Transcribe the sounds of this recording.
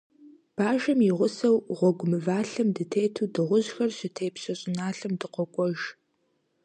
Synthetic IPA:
b̥aːʒɐmjɪʁʷʊsɐwʁʷɔɡʷʊmɨvaːɬɐmdɨtʰeːtʰuːdɨʁʷʊʑxɐrɕɪtʰeːpɕɐɕʼɪnaːɬɐmdɨqʷɔkʷʼɔʒ

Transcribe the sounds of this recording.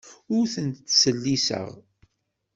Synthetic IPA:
ʊɾθənt̪ːsəlːisə̰ʁ

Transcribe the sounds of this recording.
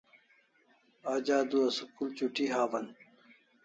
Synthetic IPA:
aːd͡ʑaːd̪uɐsukult͡ɕuʈiɦaːwɐn

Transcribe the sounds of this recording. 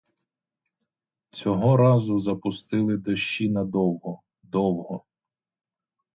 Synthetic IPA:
t͡sʲɔɦɔɾɑzʊzɐpʊst̪ɪlˠɪd̪ɐʃt͡ʃinɐd̪ɔwɦɔ | d̪ɔwɦɔ

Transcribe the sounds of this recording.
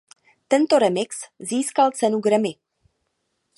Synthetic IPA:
t̪ɛnt̪oɾɛmɪksziːskalt͡sɛnuɡɾɛmɪ

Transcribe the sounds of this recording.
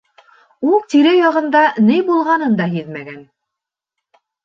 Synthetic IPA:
ulˠt̪iɾɘjɑʁɤ̆nd̪ɑnɘjbulˠʁɑnɤnd̪ɑɦiðmæɡæn

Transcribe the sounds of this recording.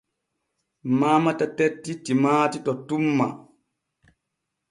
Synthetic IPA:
maːmatatetːitimaːtitɔtumːa

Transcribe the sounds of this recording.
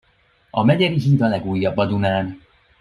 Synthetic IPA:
ɒmɛɟɛɾiɦit̪ɒlɛɡuːjːɒbːɒd̪unaːn

